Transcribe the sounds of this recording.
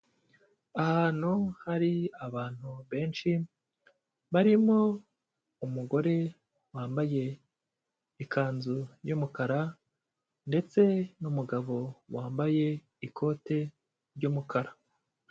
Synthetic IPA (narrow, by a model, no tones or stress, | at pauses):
ahaːn̥uhaɾiaβaːn̥huβe̞ːnʃi | βaɾimo | umuɡo̞ɾe̞ | waːmbaje̞ | ikʰaːnzuɾjumukaɾa | nde̞t͡se̞numuɡaβo̞waːmbaje̞ | ikʰo̞ːte̞ | ɾɟomukʰaɾa